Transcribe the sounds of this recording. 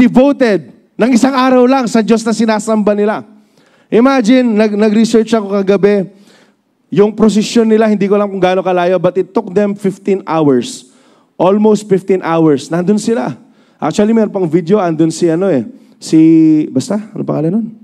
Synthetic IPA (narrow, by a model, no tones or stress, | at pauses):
d̪ɪvowt̪ɛd̪̚ | nɐŋʔɪsaŋaːɾɐwlɐŋsɐd͡ʒo̞snɐsɪnaːsɐmbɐnɪla | ʔɪmad͡ʒɪnːɐɡ̚nɐɡɾɪsɛɹt͡ʃɐko̞kɐɡɐbɛ | jʊŋpɾos̬ɛsjonːɪlahɪnd̪iːkolɐŋkʊŋɡaːno̞kɐlaːjobɐt̪ɪt̪ːʊk̚d̪ɛmfɪft̪inʔawɛɹs | ʔolmowst̪̚fɪft̪inʔawɛɹsnɐnd̪onsɪla̰ | ʔa̰k̚t͡ʃuɐlimɛɾonpɐŋvid̪jo̞ʔɐnd̪onsiɐno̞ɛ | sɪbɐst̪aɐnopɐ̰ka̰lɐnon